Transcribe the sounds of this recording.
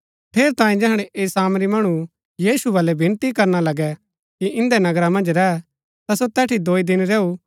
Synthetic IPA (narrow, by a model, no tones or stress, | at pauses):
pʰeːɾt̪ãːĩd͡ʒɛɦɽ̃ɛʔeːsaːmɾimɐɽ̃u | jiːsubɐːlɛbʱɪ̃nt̪ikɐɾnalɐɡɛ | kiɪ̃nd̪ɛnɐɡɾamɐ̃nd͡ʒɾɛ | t̪asot̪ɛːʈʰid̪oːid̪ɪnɾɛːu